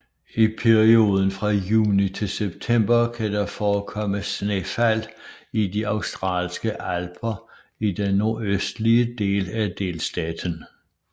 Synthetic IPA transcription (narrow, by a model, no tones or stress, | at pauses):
ipʰeʁio̝ːð̞ˠən̩fʁɑ̈juːnit͡sʰe̝lseb̥̚t͡sʰem̰b̥ɐkʰæd̥ɑfɒːkʰɒ̽məsnefæl̰idiɑ̈ʊsd̥ʁɑ̰̈ːlsɡ̥əʔælb̥ʰɐ | id̥enːo̝ɐøsd̥liəd̥e̝̰ːlæd̥e̝̰ːlsd̥ɛːd̥n̩